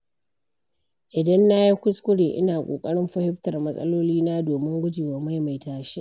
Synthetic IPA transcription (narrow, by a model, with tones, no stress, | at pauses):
ʔɪ˨dɐ˦nːa˦ji˦kʷʊ˦skʷʊ˦ɽeː˨ʔɪ̰˦naː˨kʷʼo̰ː˨kʼɐ˦ɽɪ˦mɸɐ˦hɪ˦ɸtɐ˨rmɐ˦sʼɐ̰˦loː˦liː˦naː˦doː˨mɪ˦ŋɡʷʊ˦d͡ʒiː˨wa˨ma˦jma˨jtaː˨ʃe˦ʔ